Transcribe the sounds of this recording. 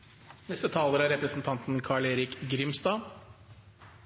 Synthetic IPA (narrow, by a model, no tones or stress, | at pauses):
nɛst̪ət̪ʰɑːləɾəæɾɛpɾəsn̩t̪ʰɑnt̪n̩kʰɑːɭeːɾɪkɡɾɪmst̪ɑː